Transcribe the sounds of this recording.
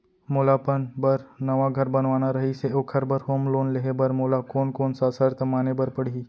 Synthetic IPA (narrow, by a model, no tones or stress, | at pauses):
moːlapənbɐɾnɐʋaɡʱɐɾbɐnʋaːnaɾɐɦiseoːkʰɐɾbəɾɦoːmloːnleɦebɐɾmoːlakoːnkoːnsasəɾt̪maːnebɐɾpɐɽ̤i